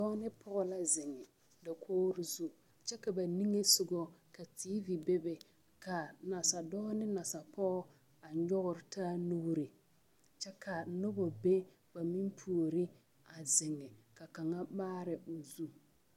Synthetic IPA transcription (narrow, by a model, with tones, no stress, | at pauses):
dɔː˦nɪ˦pʰʊ˦ɣʊ˦la˦zɪ˨ŋɛ˨ | da˨kʰoː˦ɾɪ˦zu˦ | t͡ʃɛ˦ka˨ba˨ni˦ŋe˦sʊ˨ɡɔ˦ka˨tiː˦vi˨be˦be˨ | ka˨na˨sa˨dɔː˦nɪ˦na˨sa˨pʰɔː˦ | a˨ɲɔ˦ɣʊ˨ɾɪ˨taː˦nu˦ɾi˨ | t͡ʃɛ˦ka˨nʊ˦bo˨be˦ | ba˨mi˦mpʰu˨o˨ɾɪ˦ | a˨zɪ˨ŋɛ˨ka˨ka˨ŋa˦baː˦ɾɪ˨ʔo˨zu˦